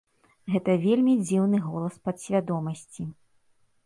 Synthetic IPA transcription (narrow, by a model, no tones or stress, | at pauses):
ɣɛt̪ɐvʲelʲmʲid͡zʲiwnɨɣɔlˠɐspɐt̪sʲvʲad̪ɔmɐsʲt͡sʲi